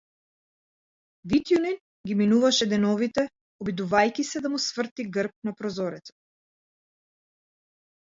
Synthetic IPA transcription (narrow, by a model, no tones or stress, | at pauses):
vit̪junin | ɡʲiminuvaʃɛd̪ɛnɔvit̪ɛ | ɔbid̪uvajkisɛd̪amusvr̩t̪iɡərp̚napɾɔzɔɾɛt̪sḁ